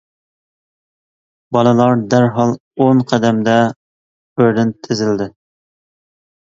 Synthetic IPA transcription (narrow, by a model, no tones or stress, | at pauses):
bɑlˠɨlˠɑɾd̪æɾɦɑlˠ | oŋqʰɛd̪ɛmd̪ɛ | øɾɪnt̪ʰːɪzɪld̪ɪ